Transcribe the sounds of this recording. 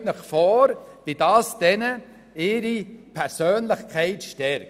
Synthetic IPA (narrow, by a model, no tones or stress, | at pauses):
nəχfɔːɾvidɑːsd̥ɛnə | ɪːɾipʰɛɾsøːnlɪχkʰɛɪtʃtɛɾk